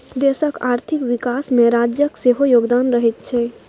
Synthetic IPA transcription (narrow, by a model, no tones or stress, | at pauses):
d̪eːsəkaːɾt̪ʰɪkʋɪkaːsmẽɾaːd͡ʒjəkseɦojoːɡd̪aːnɾəɦet̪̚t͡ʃʰɛː